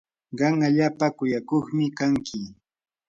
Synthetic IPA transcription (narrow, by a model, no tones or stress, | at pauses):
ɢɑŋaʎaːpakʊjakoχmɪkaŋkʰɪ